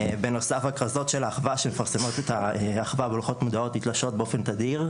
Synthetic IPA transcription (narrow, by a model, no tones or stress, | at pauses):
beno̞safakʁazo̞tʃe̞laːχvaʃemefaʁsemo̞t̪etaaχvabelχo̞tmud̪ao̞titlaʃo̞t̚beofe̞nt̪ad̪iʁ